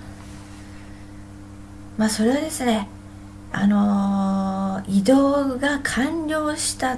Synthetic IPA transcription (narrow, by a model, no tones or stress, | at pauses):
maːso̞ɾe̞βad̪e̞sɨne̞ | a̰no̞ | id̪o̞ːɡakʰãɲɾʲo̞ːɕi̥t̪a